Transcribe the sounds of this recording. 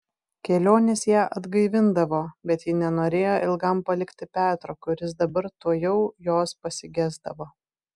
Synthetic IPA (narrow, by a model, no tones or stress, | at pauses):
kʲɛlʲoːnʲesjæːʔɐd̪ɡɐɪʋʲɪnd̪ɐʋoːbʲɛt̪jɪnʲɛnoːɾʲeːjoːʔɪlˠɡɐmpɐlʲɪkt̪ʲɪpʲæːt̪ɾoːkʊɾʲɪs̬d̪ɐbɐɾt̪uɔjɛʊjoːspɐsʲɪɡʲæːzd̪ɐʋoː